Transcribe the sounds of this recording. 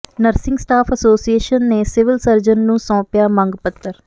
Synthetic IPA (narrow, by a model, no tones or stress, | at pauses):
nəɾsɪ̃ŋɡsʈaːpʰəsoːsieːʃənːeːsɪʋɪlsəɾd͡ʒənːũːsɔ̃ːpjaːmə̃ŋɡpət̪ːəɾ